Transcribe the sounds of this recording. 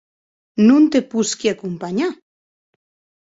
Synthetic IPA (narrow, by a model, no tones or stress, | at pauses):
nʊnt̪epʊskjakʊmpaɲa